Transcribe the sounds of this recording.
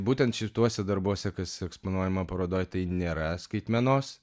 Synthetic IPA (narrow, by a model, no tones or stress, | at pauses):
buːt̪ʲɛnt̪ʃʲɪt̪uɔsʲɛd̪ɐɾbuɔsʲɛkɐsɛkspoːnuɔjɛmɐpɐɾoːd̪oːjt̪ɐɪnʲeːɾɐskɐɪt̪ʲmʲɛnoːs